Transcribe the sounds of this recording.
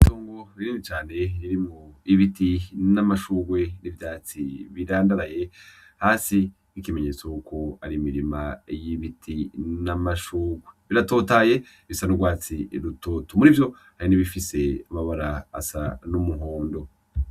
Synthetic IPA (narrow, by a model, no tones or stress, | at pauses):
iitoːŋɡoβiɾimit͡ʃaːne̞jiɾimuiβitinamaʃuːɡwe̞nivjaːt͡siβiɾaːndaɾaje̞ | haːsi | ikime̞ɲe̞ːt͡sojukʰo̞aɾimiɾimajiβitʰinamaʃuːɡwe̞βiɾato̞ːtaːje̞ | βisanuɡwaːt͡siɾutoːtumuɾivjo̞ | haɾiniβifise̞amaβaɾaːa̰sanumuɦo̞ːndo̞